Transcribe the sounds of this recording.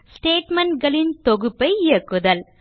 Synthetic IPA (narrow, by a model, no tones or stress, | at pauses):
sʈeːʈmɐɳʈɡɐɭɪnt̪ɔɣɯpːɐɪɪjɐkːɯðɐl